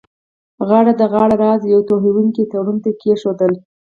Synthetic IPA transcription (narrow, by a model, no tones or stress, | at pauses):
ɣɑɽad̪əɣɑɽaɾɑzjawt̪oɦiwuŋkit̪aɽunt̪ekeʃod̪əl